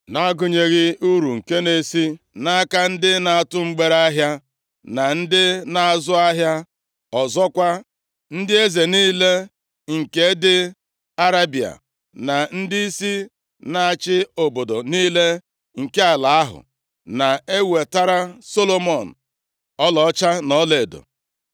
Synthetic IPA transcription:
na˦ɡʊ˨ɲe˨ɣɪ˦u˦ɾu˨ŋ̩˨ke˦ne˨si˦ | na˦a˦ka˦n̩˦dɪ˦na˨a˨tʊ˦ŋ͡m̩˦ɡ͡be˦ɾa˦ɦja˦ | na˨n̩˦dɪ˦na˨a˨zʊ˦a˦ɦja˦ | ɔ˨zɔ˦kʷa˦ | n̩˦dɪ˦e˦ze˨niː˦le˦ | ŋ̩˨ke˨˦dɪ˦ | a˦ɾa˦bi˨a̰˨ | na˨n̩˦di˦i˦si˦ | na˨a˨t͡ʃɪ˦o˨bo˨do˨niː˦le˦ | ŋ̩˨ke˦a˨la˨a˦ɦʊ̰˨ | na˨e˦we˨ta˦ɾa˦so˦lo˦mɔ˨n̩˨ | ɔ˦lɔ˨˦t͡ʃa˦nɔ˦le˨do̰˨

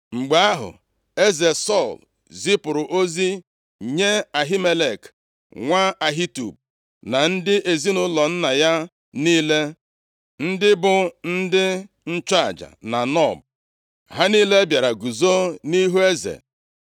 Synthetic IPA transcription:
ŋ͡m̩˨ɡ͡ba˨a˦ɦʊ̰˨ | e˦ze˨sɔ˦˨l | zi˦pʊ˨ɾʊ˨ʔo˦zi˦ | ɲe˦a˨ɦi˦me˦le˨k | ŋʷa˦a˨ɦi˦tṵ˨b̚ | na˨n̩˦dɪ˦ʔe˨zi˦nʊ˦lɔ˨n̩˦na˨ja˦ | niː˦le˦ | n̩˦dɪ˦bʊ˨n̩˦dɪ˦ | n̩˦t͡ʃa˦a˨d͡ʒa̰˨na˨nɔ˦˨b̚ | ɦa˦niː˦le˦bja˨ɾa˨ɡu˨zo˦ni˦ɦu˦e˦zḛ˨

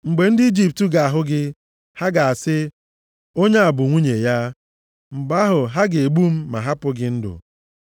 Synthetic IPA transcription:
ŋ͡m̩˨ɡ͡be˨n̩˦dɪ˦i˦d͡ʒi˦p̚tu˦ɡa˨a˨ɦʊ˦ɡɪ˦ | ha˦ɡa˨a˨sɪ˦ | o˦ɲe˦a˨bʊ˨ŋʷu˦ɲe˨ja˦ | ŋ͡m̩˨ɡ͡ba˦ɦʊ˨ɦa˦ɡe˨ɡ͡bu˦m̩˦ma̰˨ɦa˦pʊ˦ɡɪ˦n̩˦dʊ̰˨

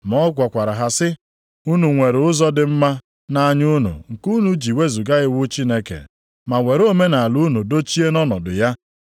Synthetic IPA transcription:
mɔ˦ɡʷɔ˨kʷa˨ɾa˨ɦa˨sɪ˦ | u˦nu˨ŋʷe˨ɾʊ˦zɔ˦dɪ˨m̩˦ma˦ | na˦˨ɲu˦nṵ˨ŋ̩˨ku˦nu˦d͡ʒi˨we˦zu˨ɡa˦ɣɪ˦wʊ˦t͡ʃi˦ne˦kḛ˨ | ma˨ŋʷe˨ɾo˦me˦na˨lu˦nu˨do˦t͡ʃi˦e˦nɔ˦nɔ̰˨dʊ̰˨ja˦

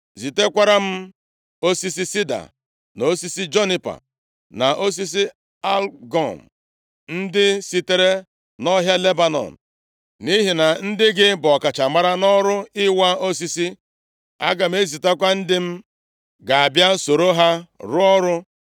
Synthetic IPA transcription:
zi˨te˦kʷa˦ɾa˦m̩˦ | o˦si˦si˦si˦da̰˨ | no˦si˦si˦d͡ʒo˦ni˦pa̰˨ | na˨ʔo˦s̬i˦s̬i˦ | a˦lɡɔ̰˨m̩˨ | n̩˦dɪ˦si˦te˦ɾe˦ | nɔ˦ɦja˦le˦ba˨nɔ̰˨n̩˨ | ni˦ɦi˨na˨n̩˦dɪ˦ɡɪ˦bɔ˨ka˨t͡ʃa˨ma˦ɾa˦nɔ˦ɾʊ˦ɪ˦wa˦o˦s̬i˦si˦ | a̰˦ɡa˨m̩˦e˦zi˨te˦kʷa˦n̩˦dɪ˦m̩˦ | ɡa˨a˨bja˦so˨ɾo˦ɦa˦ɾʊ˦ɔ˦ɾʊ˦

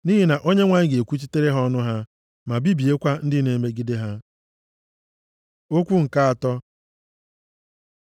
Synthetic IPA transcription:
ni˦ɦi˦na˨ʔo˦ɲe˦ŋʷa˦ɲɪ˦ɡe˨kʷu˦t͡ʃi˦te˦ɾe˦ɦɔ˦nʊ˦ɦa˦ | ma˨bi˦bi˨e˦kʷa˦n̩˦dɪ˦ne˨me˦ɡi˦de˦ɦa˦ | o˦kʷu˦ŋ̩˨ka˦a˨tɔ˦

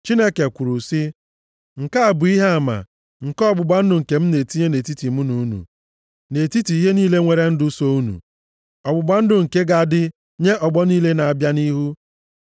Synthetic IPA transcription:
t͡ʃi˦ne˦ke˨kʷu˨ɾu˨si˦ | ŋ̩˨ka˦a˨bʊ˨i˦ɦe˦a˨ma̰˨ | ŋ̩˨kɔ˦bʊ˨ɡ͡ba˦n̩˦dʊ˨ŋ̩˨ke˨m̩˦ne˨ti˦ɲe˦ne˨ti˦ti˨mu˦nu˨˦nṵ˨ | ne˨ti˦ti˨i˦ɦe˦niː˦le˦ŋʷe˨ɾe˦n̩˦dʊ˦so˦u˦nṵ˨ | ɔ˨bʊ˨ɡ͡ba˦n̩˦dʊ˨ŋ̩˨ke˦ɡa˨dɪ˦ | ɲe˦ʔɔ˨ɡ͡bɔ˦niː˦le˦na˨a˨bja˦ni˦ɦu˦

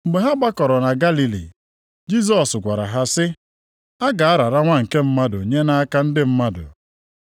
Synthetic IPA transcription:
m̩˨ɡ͡be˨ɦa˦ɡ͡ba˦kɔ˨ɾɔ˨na˨ɡa˦li˨lḭ˨ | d͡ʒi˦zɔ˨sɡʷa˨ɾa̰˨ɦa˦sɪ˦ | a˦ɡa˨a˦ɾa˨ɾa˦ŋʷa˦ŋ̩˨ke˦m̩˦ma˦dʊ̰˨ɲe˦na˦a˦ka˦n̩˦dɪ˦m̩˦ma˦dʊ̰˨

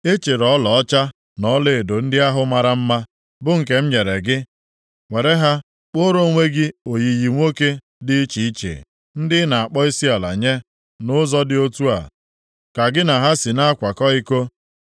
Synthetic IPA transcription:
e˦t͡ʃe˨ɾɔ˦lɔ˨ɔ˦t͡ʃa˦ | nɔ˦lɪ˦˨do˨n̩˦dɪ˦a˦ɦʊ˦ma˨ɾa˦m̩˦ma˦ | bʊ˦ŋ̩˨ke˨˦m̩˦ɲe˨ɾe˨ɡɪ˦ | ŋʷe˨ɾe˦ɦa˦ | k͡po˦ɾo˦ŋʷe˦ɡɪ˦o˨ji˨ji˨ŋʷo˦ke˦ | dɪ˦t͡ʃi˨i˦t͡ʃḛ˨ | n̩˦dɪ˦na˨a˨k͡pɔ˦i˦si˦a˨la̰˨ɲe˦ | nʊ˦zɔ˦dɪ˦o˦tu˦a̰˨ | ka˨ɡɪ˦na˨ɦa˦si˨na˦kʷa˨kɔ˦i˦ko˦

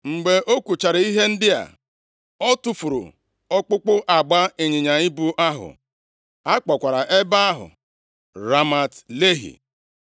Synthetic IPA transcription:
ŋ͡m̩˨ɡ͡be˨ʔo˦kʷu˨t͡ʃa˨ɾɪ˨i˦ɦe˦n̩˦dɪ˦a̰˨ | ɔ˦tu˨fu˨ɾʊ̰˨ | ɔ˦k͡pʊ˦k͡pʊ˦ʔa˨ɡ͡ba˦e˨ɲɪ˨ɲa˨i˦bu˦ʔa˦ɦʊ̰˨ | a˦k͡pɔ˨kʷa˨ɾa˨ʔe˦ba˦a˦ɦʊ̰˨ | ɾa˦ma˨tle˦ɦḭ˨

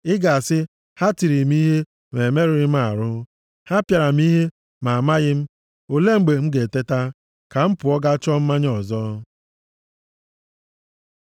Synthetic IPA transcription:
ɪ˦ɡa˨a˨sɪ˦ | ha˦ti˨ɾi˨m˦i˦ɦe˦ | me˨me˦ɾɪ˨ɾɪ˦m̩˦a˨ɾʊ˦ | ha˦pja˨ɾa˨m̩˦i˦ɦe˦ | ma˨ma˦ɣɪ˦m̩˦ | o˨le˦ŋ͡m̩˨ɡ͡be˨ŋ͡m̩˦ɡe˨te˦ta˦ | ka˨m̩˦pʊ˨ɔ˦ɡa˦t͡ʃɔ˦m̩˦ma˦ɲ˦ɔ˨zɔ˦

